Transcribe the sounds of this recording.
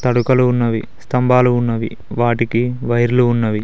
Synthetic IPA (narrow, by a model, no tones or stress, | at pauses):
t̪ɐɽukɐluːnːɐʋi | st̪ɐmbaːluːnːɐʋḭ | ʋaːʈikiʋɐjɾluːnːɐʋi